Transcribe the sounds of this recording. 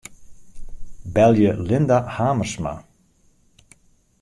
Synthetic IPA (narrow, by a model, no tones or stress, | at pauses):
bɛlˠjəlɪndahaːmərsma̰